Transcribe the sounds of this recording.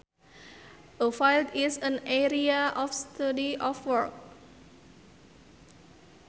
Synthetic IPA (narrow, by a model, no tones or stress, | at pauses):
ʔəfajltisə̃nɛɾiaʔɔfstadiʔɔfwək̚